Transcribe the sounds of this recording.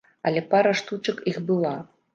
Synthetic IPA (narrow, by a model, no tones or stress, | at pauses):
ɐ̰lʲɛpaɾɐʂt̪ut͡ʂɨkixbɨlˠa